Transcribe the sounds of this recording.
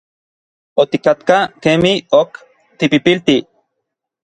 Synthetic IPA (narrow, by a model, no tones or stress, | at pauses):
ot̪ikat̪kakemiok | t̪ipipilt̪i